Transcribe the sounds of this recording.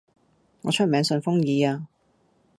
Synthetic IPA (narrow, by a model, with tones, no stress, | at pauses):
ŋɔ̰ː˨˧t͡ʃʰɵ˥t̚mɛː˨˧ŋsɵ˧nfʊ˥ŋjiː˨˧aː˧